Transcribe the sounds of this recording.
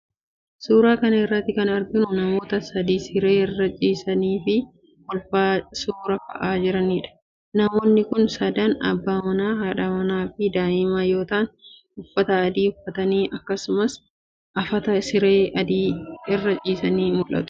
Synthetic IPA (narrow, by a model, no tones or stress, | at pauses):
suːɾaːkɐnɐɪrːɐt̪ːɪkɐnɐɾɡ̪ɪnʊnɐmo̞ːt̪ɐsɐd̪iːsɪɾeːɪrːɐt͡ʃʼiːsɐniːfɪ | wɔlfaːsuːɾɐfɐ̰ʔaːd͡ʒɪɾɐniːᶑɐ̥ | nɐmo̞ːnːɪkʊnsɐd̪ɐnɐ̰bːaːmɐnaːɦaːᶑɐmɐnaːfɪd̪aːʔɪmaːjo̞ːt̪aːn | ʊfːɐt̪ɐːd̪iːʊfːɐt̪ɐniːʔɐkːɐsʊmɐs | ʔɐfɐt̪ɐsɪɾeːɐd̪iːɪrːɐt͡ʃʼiːsɐniːmʊlɐ̰t̪ʊ̥